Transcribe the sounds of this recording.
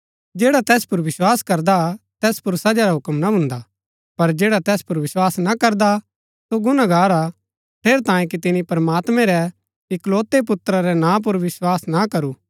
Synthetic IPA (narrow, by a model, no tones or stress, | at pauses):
d͡ʒeːɽat̪ɛːspʊɾʋɪswaːskɐɾd̪at̪ɛːspʊɾsɐd͡ʒaɾaɦʊkəmnaɦʊ̃nd̪a | pɐɾd͡ʒeːɽat̪ɛːspʊɾʋɪswaːsnakɐɾd̪a | soɡʊnaɡaːɾa | pʰeːɾt̪ãːjẽk̬it̪ɪnipɾəmaːt̪mɛ̃ɾɛ | ɪkloːt̪ep̬ʊt̪ɾaɾɛnãːp̬ʊɾʋɪswaːsnakɐɾuː